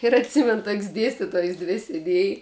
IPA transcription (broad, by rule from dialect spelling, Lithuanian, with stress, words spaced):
ɪr ɐtʲˈsʲɪmʲɛn toːkʲsʲ ˈdʲeːsʲtʲɪtoːjs ˈdʲʋʲɪ sʲeːˈdʲeːj